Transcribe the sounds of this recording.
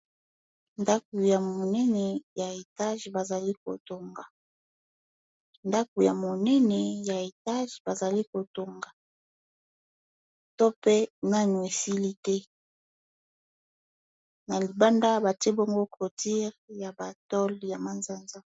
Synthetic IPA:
nda˦ko˨ja˨mo˨nɛ˦nɛ˨ja˨e˨ta˦ʒba˨za˨li˦ko̰˨to˨ŋɡa˨ | nda˦ko˨ja˨mo˨nɛ˦nɛ˨ja˨e˨ta˦ʒba˨za˨li˦ko˨to˨ŋɡa˨ | to˦pe˦na˦nu˨e˨si˦li˦tɛ˦ | na˨li˨ba˦nda˦ba˨tɛ˦bo˦ŋɡo˦ko˨ti˦ʁja˨ba˨tɔ˦lja˨ma˨nza˦nza˦

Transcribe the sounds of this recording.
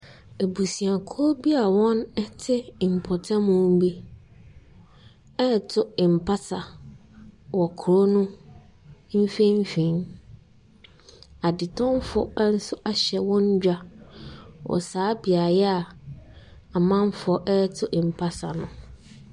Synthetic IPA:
e˨bu˨si˨a˨kʰɔ˦bi˦a˨wɔ̃˦nɛ˦tʰɪ˦˨m̩˨pʰɔ˨tʰã˦mʊ̃˦bi˦ | ɛ˦˨tʰʊ˦ɪ˨m̩˨pʰa˦sa˨ | wɔ˨kʰʊ˨ɾo˦nʊ̃˦ | m̩˦fẽ˦m̩˦fĩ˨˦n | a˨dɪ˨tʰɔ̃˦m˦fɔ̰˨˦n̩˦sʊ˦ʔa˦ɕɛ˨wɔ̃˦ɲ˦d͡ʑᶣa˦ | wʔɔ̰˨saː˦bi˨a˨jɛ˦a˨ | a˨mã˦m˦fɔ˨ʔɛ˦tʰʊ˦ʔm̩˨pʰa˦sa̰˨nʊ̰̃˨

